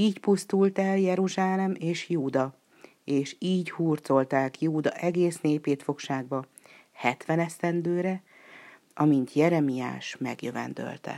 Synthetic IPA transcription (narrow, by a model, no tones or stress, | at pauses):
iːcpust̪ult̪ɛljɛɾuʒaːlɛmeːʃjuːd̪ɒ | eːʃiːɟhuːrt̪so̞lt̪aːkjuːd̪ɒʔɛɡeːsneːpeːt̪fo̞kʃaːɡbɒ | hɛt̪ʋɛnɛst̪ɛnd̪øːɾɛ | ɒmint̪ʰjɛɾɛmija̰ːʃmɛ̰ɡjøvɛ̰nd̪ø̰lt̪ɛ̰